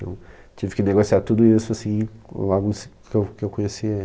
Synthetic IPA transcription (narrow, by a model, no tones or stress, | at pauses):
t̪ɐ̰̃w̃ | t͡ʃivɪkɪneɡosiaɾt̪ud̪ʊisʊasĩaɡũskewkɪewkõjesiɐ